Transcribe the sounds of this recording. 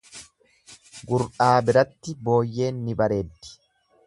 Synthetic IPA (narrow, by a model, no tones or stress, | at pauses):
ɡʊɾᶑaːbɪɾɐt̪ːɪbo̞ːjːe̞ːnːɪbɐɾe̞ːd̪ːɪ̥